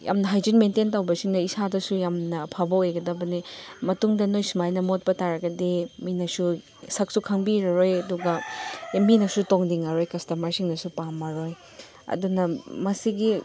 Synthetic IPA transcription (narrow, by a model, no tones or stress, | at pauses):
ja̰mnɐɦajd͡ʒinmententawbɐsiŋnɐisadɐsujamnɐpʰabɐojɡɐdɐbɐnimɐtuŋdɐnojsumajnɐmot̚pɐtaɾɐɡɐdeminɐsu | sɐk̚sukʰɐŋbiɾɐɾojɐduɡɐminɐsutoŋdiŋɐɾojkɐstɐmɐɾsiŋnɐsupamɐɾoj | ɐ̰dunɐmɐsiɡi